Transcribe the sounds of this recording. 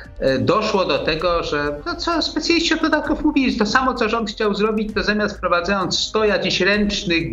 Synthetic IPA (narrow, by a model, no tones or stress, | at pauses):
d̪ɔʂwɔd̪ɔt̪ɛɡɔʐɛt̪ɔt̪sɔspɛt̪sʲjalʲist͡ɕɔd̪d̪ɔd̪at̪̚kufmuvʲiʐt̪ɔsamɔt̪sɔʐɔnt̪xt͡ɕawzɾɔbʲit͡ɕt̪ɔzamʲjast̪fpɾɔvad̪zajɔnt̪sst̪ɔjad͡ʑeɕɾɛnt͡ʂnɘ